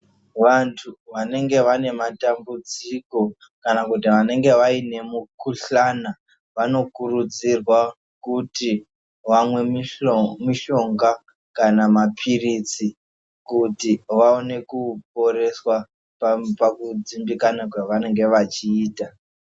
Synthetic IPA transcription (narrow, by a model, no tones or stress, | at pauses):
ʋantʰuʋane̞ŋɡe̞ʋane̞matambud͡ziko̞ | kanakut̬iʋane̞ŋɡe̞ʋaine̞mukuɬana | ʋano̞kurud͡zirwa | kuti | ʋamwe̞ | miʃo̞ŋɡa | kanamapʰirit͡si | kutiʋaone̞kup̚o̞ɾe̞swa | pakud͡zimbikanakwaʋane̞ŋɡe̞ʋat͡ʃiːta